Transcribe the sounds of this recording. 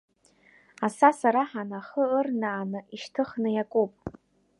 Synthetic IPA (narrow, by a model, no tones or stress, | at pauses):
asasaɾaħanaχəːrnaːnɨʔiʃtʰɨχnɨjakʷʼupʼ